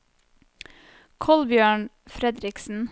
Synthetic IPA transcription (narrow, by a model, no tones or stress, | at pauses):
kʰɔlbjøːɳ | fɾɛd̪ɾɪksn̩